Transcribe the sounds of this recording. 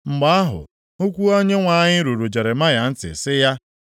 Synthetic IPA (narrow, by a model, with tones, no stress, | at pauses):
ŋ͡m̩˨ɡ͡ba˦a˦ɦʊ̰˨ | u˦kʷu˦o˦ɲe˦ŋʷa˨ɲɪ˦ɾu˨ɾu˨d͡ʒe˨ɾe˨ma˦ja˨n̩˦tɪ̰˨sɪ˦ja˦